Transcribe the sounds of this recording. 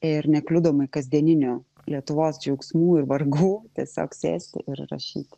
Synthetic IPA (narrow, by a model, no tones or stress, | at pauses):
ɪɾnʲɛklʲʊd̪oːmɐɪkɐzʲd̪ʲiɛnʲɪnʲoː | lʲiɛt̪ʊʋoːsd͡ʒʲɛʊksmuːɪɾʋɐɾɡuːt̪ʲiɛsʲo̰ːksʲḛːsʲt̪ʲɪ̰ʔɪɾrɐ̰ʃʲḭːt̪ʲ